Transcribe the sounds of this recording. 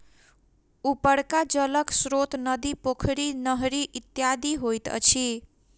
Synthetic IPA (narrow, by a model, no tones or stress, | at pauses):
upʌɽkad͡zʌlʌksɾot̪nʌd̪ipokʰɾinʌɦɾiʔit̪jad̪iɦojt̪ʌ̰t͡sʰi